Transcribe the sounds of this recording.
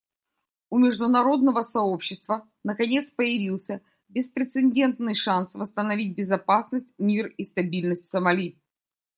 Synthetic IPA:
ʊmʲɪʐd̪ʊnɐɾo̞d̪nəvəsɐo̞pɕːɪst̪və | nəkɐnʲe̞t̪spəjɪvʲilˠsʲə | bʲɪspɾʲɪt̪sɨnʲdʲe̞nt̪nɨjʂansvəst̪ənɐvʲit̚ʲbʲɪzɐpasnəsʲtʲmʲirist̪ɐbʲilʲnəsʲtʲfsəmɐlʲi

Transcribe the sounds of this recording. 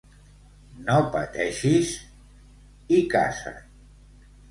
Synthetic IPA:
nopət̪ɛʃis | ika̰sa̰

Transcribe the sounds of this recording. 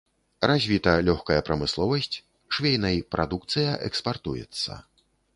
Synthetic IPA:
razʲvʲit̪ɐlʲɔxkɐjɐpɾɐmɨslˠɔvɐsʲt͡sʲ | ʂvʲejnɐjpɾad̪uk̚t̪sɨjɐʔɛkspart̪ujɛ̰t̪sːɐ̰

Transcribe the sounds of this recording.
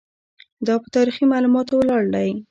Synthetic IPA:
d̪ɑpət̪ɑɾiximɑlumɑt̪owəlɑɽd̪aj

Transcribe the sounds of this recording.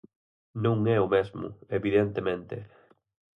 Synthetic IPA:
nũŋɛʊmezmʊ̰eβiðent̪emẽnt̪ɪ̰

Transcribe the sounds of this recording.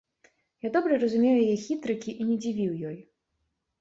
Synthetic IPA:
jad̪ɔbɾɐrɐzumʲejujjɛxʲit̪ɾɨkʲiʔinʲɛd͡zʲivʲiwjɔj

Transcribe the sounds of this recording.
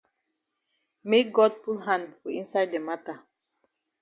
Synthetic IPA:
mek̚ɡɔd̚pulɦãndfɔĩnsajdːemata

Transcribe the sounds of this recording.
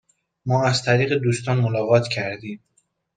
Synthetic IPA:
mɒːæzt̪ʰæɾiːɣed̪uːst̪ɒːnmolɒːɣɒːt̪ʰcʰæɾd̪iːm

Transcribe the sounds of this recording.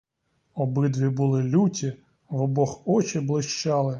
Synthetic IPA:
ɔbɪd̪ʋʲibʊlˠɪlʲutʲi | ʋɔbɔxɔt͡ʃɪblˠɪʃt͡ʃɑlˠɪ

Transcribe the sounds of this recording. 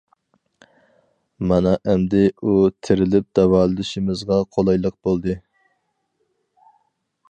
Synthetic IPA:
mɑnɑʔæmd̪ɪut̪ʰɪɾɪlɪp̚d̪̥ɛwɑːlˠɨd̪ɪʃɪmɪzʁɑqʰolˠɑjlˠəq̚bolˠd̪ɨ

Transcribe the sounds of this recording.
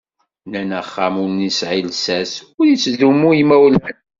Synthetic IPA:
nænəχːamʊɾnisʕilsæsʊɾjit͡sːðumuimæwəlhən

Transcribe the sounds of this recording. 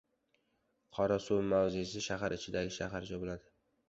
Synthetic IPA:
qʰɒɾasumawzɪsɪʃaɦaɾɪt͡ʃʰɪd̪aɡʲɪʃaɦaɾd͡ʒabolad̪ɪ

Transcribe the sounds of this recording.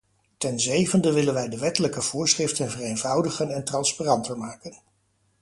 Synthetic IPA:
tɛnzejvəndəʋɪlənʋɛjdəʋɛtələkəv̥ʊːɹsχrɪftənvərejnvɑwdəχənɛntrɑnsparɑntəɹmaːkən

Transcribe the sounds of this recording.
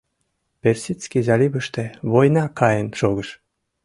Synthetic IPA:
persʲit͡skʲizɑlʲibəʃt̪ĕβojnɑkɑjənʃoɣəʃ

